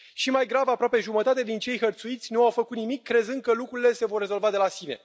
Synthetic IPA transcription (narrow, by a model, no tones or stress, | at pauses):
ʃimajɡɾavapɾoape̞ʒumət̪at̪ed̪int͡ʃe̞jxərt̪suit̪sʲnuawfəkut̪̚nimikːɾe̞zɨnd̪̚kəlukɾuɾile̞se̞vo̞rːe̞zo̞lvad̪e̞lasine̞̰